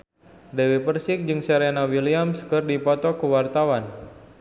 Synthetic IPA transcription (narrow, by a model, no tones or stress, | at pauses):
dewipərsɪk̚d͡ʒɨŋsɛɾenawiliamskɨrdipɔt̪ɔkəwart̪awan